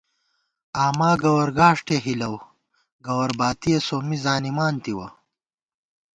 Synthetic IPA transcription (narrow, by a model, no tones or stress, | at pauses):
aːmaːɡɐwɐɾɡaːʂʈeːɦilɐw | ɡɐwɐɾbaːt̪ijɐsoːmizaːnimaːnt̪iwɐ